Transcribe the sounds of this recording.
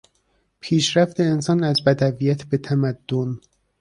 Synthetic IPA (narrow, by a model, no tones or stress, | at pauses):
pʰiːʃɾæft̪e̞ːnsɒːnæzbæd̪ævijæt̪ʰbe̞t̪ʰæmæd̪̥ːon